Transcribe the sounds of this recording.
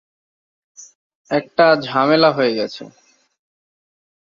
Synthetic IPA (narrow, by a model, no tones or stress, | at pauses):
ɛk̚ʈad͡ʑʱamelaɦoeɡɛt͡ɕʰḛ